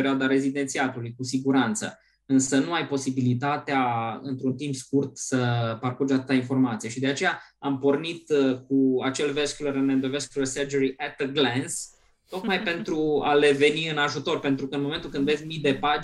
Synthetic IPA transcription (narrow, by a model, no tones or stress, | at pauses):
eɾioad̪aɾe̞zid̪e̞nt̪siat̪ulujkusiɡuɾant̪sə̰ | ɨnsənuajpo̞sibilit̪at̪eaɨ̰nt̪ɾunt̪impskurt̪səparkurd͡ʒat̪ɨt̪ainfo̞rmat̪sije̞ʃid̪e̞at͡ʃe̞jaampo̞rnit̪k̚uat͡ʃe̞lveskʲuleɾɨnend̪oveskʲulersərd͡ʒeɾiʔet̪ɡlens | t̪o̞kmajpe̞nt̪ɾua̰le̞ve̞niɨnaʒut̪o̞rpe̞nt̪ɾukəɨnmoment̪ulkɨnd̪vetsʲmid̪e̞pa